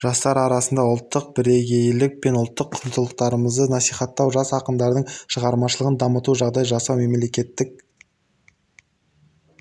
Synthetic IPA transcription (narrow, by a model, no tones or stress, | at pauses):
ʒ̥ɑst̪ɑɾɑɾɑsənd̪ɑʊlˠt̪ːəq̚bɪɾe̞ɡʲe̞jlɪk̚pe̞nʊlˠt̪ːəqʰːʊɾnt̪ʰəlˠəq̚t̪ɑɾəməzd̪ənɑsijχɑt̪ːɑwʒɑsɑqəmd̪ɑɾd̪əɴʃəʁɑɾmɑʃəlˠəʁənd̪ɑmət̪uʒɑʁd̪ɑjʒɑsɑwme̞mle̞kʲe̞t̪ːɪk̚